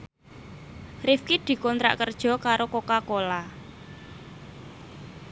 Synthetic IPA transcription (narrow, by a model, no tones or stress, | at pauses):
rifkid̪̥i̤kɔnt̪ɾa̰ʔkərd̥ʒ̥ɔ̤kaɾokokakola